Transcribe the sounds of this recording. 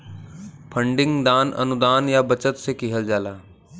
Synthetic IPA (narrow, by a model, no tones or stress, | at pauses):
pʰəɳɖɪ̃ŋɡd̪aːnɐ̰nʊd̪aːnjaːbət͡ʃət̪sekiɦəld͡ʒaːlaː